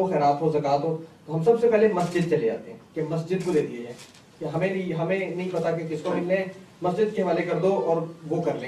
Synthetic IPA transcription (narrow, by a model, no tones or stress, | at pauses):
oxɛːɾaːt̪ɦozɐkaːt̪ɦot̪oɦɐ̃msɐbsepɛɦlemɐsd͡ʒɪd̪̚t͡ʃɐled͡ʒa̰ːt̪eɦɛ̃ːkemɐsd͡ʒɪd̪̚bʊd̪eːd̪ieɦɛ̰̃ː | keɦɐmẽiɦɐmẽnɐɦĩpɐt̪akekɪskomɪlnemɐsd͡ʒɪd̪̚keɦɐʋaːlekɐɾd̪oɔːɾʋokɐɾlẽː